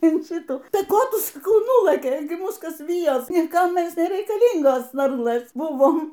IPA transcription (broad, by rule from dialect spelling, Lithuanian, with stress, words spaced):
ɪn ˈʃʲiːtuː ˈtɐɪ ˈkoː ˈtʊ sɐˈkɐʊ ˈnuːlˠɘkʲɛɪ ˈmuːs ˈkɐs ˈʋʲiːjoːs nʲɪˈkɐm ˈmʲɛs nʲɛrʲɛɪkɐˈlʲiːŋɡoːs ˈʋɐrlˠɘs ˈbʊʋoːm